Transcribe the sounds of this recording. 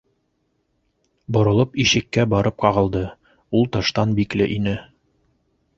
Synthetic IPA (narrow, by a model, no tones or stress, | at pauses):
bŏɾŏlˠɤpiʃɘ̆kːæbɒɾɤp̚qɑʁɤ̆lˠd̪ɤ | ulˠt̪ɤ̆ʃt̪ɑnbiklɘ̰ʔinɘ